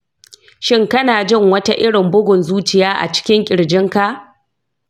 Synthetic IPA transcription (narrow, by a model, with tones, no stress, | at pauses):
ʃɪ˦ŋkɐ˦naː˨d͡ʒɪ˦˨ŋwɐ˦ta˦ʔɪ˦ɽɪ˨mbʊ˦ɡʷʊ˨nzuː˦t͡ʃɪ˦jaː˦ʔa̰˨t͡ʃɪ̥˦kʲɪ˦ŋkʲʼɪ˨ɽd͡ʒɪ˦ŋka˦ʔ